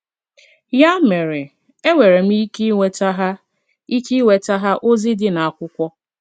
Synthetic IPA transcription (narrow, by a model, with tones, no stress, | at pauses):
ja˦me˨ɾe˨ | e˦wʷe˨ɾe˨m̩˦i˦ki˦wʷe˦ta˦ɦa˦ | i˦ki˦we˨ta˦ɦa˦ʔo˦zi˦dɪ˦na˨a˨kʷʊ˦kʷɔ˦